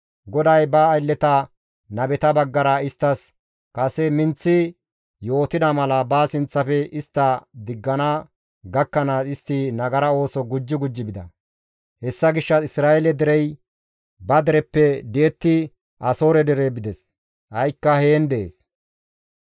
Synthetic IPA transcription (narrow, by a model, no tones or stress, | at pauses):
ɡɔd̪ɐjbɐːjlːɛt̪ɐ | nɐbɛt̪ɐbɐɡːɐɾɐɪst̪ːɐs | kʼɐsɛmɪnt͡sːɪ | jo̞ːt̪ɪd̪ɐmɐlɐbaːsɪnt͡sːɐfɛɪst̪ːɐd̪ɪɡːɐnɐ | ɡɐkːɐnaːsɪst̪ːinɐɡɐɾɐo̞ːsɔɡʊd͡ʒːɪɡʊd͡ʒːɪbɪd̪ɐ̰ | hɛsːɐɡɪʃːɐɪsɾaːʔɛlɛd̪ɛɾɛj | bɐd̪ɛɾɛpːɛd̪eːt̪ːɪ | ʔɐso̞ːɾɛd̪ɛɾebɪd̪ɛs | ʔɐjkːɐhe̞ːnd̪ɛḛːs